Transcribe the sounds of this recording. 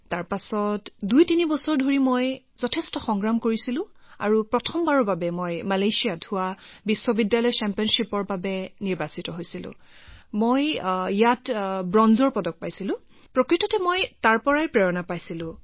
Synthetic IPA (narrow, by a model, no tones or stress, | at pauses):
taɹpasɔtdujtinibɔsɔɹdʱoɹimoj | zɔtʰestɔxɔŋɡɹamkoɹisilʊ̃a̰ɹupɹɔtʰɔmbaɹɔbabɛmojmalajsijadʱʊwabisːɔbidjalɔjt͡ʃɛmpiɔnʃipɔɹbabɛniɹbasitɔɦojsilʊ̰̃ | mojijatbɹɔnzɔɹpɔdɔk̚pajsilʊ̃ | pɹɔkɹitɔtɛmojtaɹpɔɹajɛpɹɛɹɔnapajsilʊ̃